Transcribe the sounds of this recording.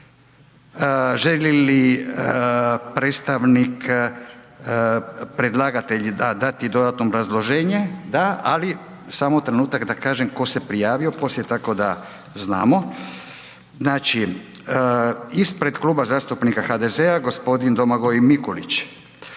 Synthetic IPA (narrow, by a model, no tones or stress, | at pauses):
ʒelili | pɾet̪st̪aʋnik | pɾe̞d̪lˠaɡat̪e̞ʎd̪ad̪at̪id̪o̞d̪at̪noːbɾazlˠo̞ʒeːɲed̪aali | saːmot̪ɾe̞nuːt̪akd̪akaːʒemko̞se̞pɾijaːʋio̞po̞slʲjet̪ako̞d̪a | zna̰ːmo̞ | znaːt͡ʃi | ispɾe̞d̪kluːbazaːst̪upnikaxad̪e̞zeaɡo̞spo̞d̪ind̪o̞maɡo̞jmikolit͡ɕ